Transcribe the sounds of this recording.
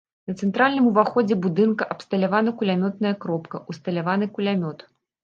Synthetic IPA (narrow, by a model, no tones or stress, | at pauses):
nɐt̪sɛnt̪ɾalʲnɨmuvaxɔd͡zʲɛbud̪ɨnkɐʔɐpst̪ɐlʲavanɐkulʲamʲɔt̪̚nɐjɐkɾɔpkɐʔust̪ɐlʲavanɨkulʲamʲɔt̪